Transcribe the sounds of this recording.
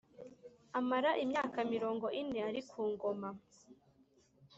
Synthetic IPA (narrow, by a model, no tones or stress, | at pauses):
amaɾaʔimɲaːkamiɾo̞ːŋɡo̞ʔineaɾikʰuːŋɡoma